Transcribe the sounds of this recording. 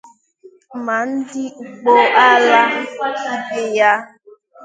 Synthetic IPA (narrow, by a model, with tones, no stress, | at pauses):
ma˨n̩˦dɪ˦˨k͡po˦ʔa˦la˦i˨bɪ˨ja˦